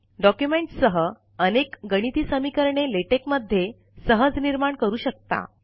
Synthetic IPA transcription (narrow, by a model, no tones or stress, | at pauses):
ɖɔkjumeɳʈsəɦə | ənekɡəɽ̃it̪iːsəmikəɾɳeleʈekməd̪ʱːje | səɦəd͡zniɾmaɳkəɾuːɕək̚t̪a̰